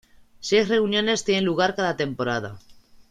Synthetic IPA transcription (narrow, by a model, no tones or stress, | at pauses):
sejsre̞unjo̞ne̞st̪jenenluɣ̞aɾkaðat̪e̞mpo̞ɾað̞a̰